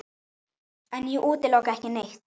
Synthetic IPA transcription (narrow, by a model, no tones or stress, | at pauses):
anjuʔut̪elokahkinext̪̚